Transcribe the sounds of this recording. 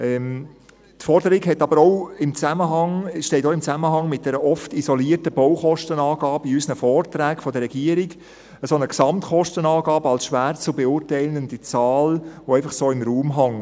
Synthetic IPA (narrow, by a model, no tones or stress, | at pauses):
ɛm | tfɔɾdəɾɪɡhɛtɑbəɾɔʊɪmt͡sæməɦɑŋʃtɛɪtoɪmt͡sæməɦɑŋmɪt̚d̥ɛɾəʔɔftizɔliərtəb̥ɔʊχɔʃtənɑːɡ̥ɑːbəiysnəfɔːrtɾæːkfɔdəɾːɛɡ̥iəɾɪɡ | əsonəksɑmtχɔʃtənɑːɡɑːbəɑlsʃʋæːɾt͡subɛʊːɾtɛɪlənd̥̪it͡sɑːloɛɪfɑχsoːɪmɾuːmɦɑŋ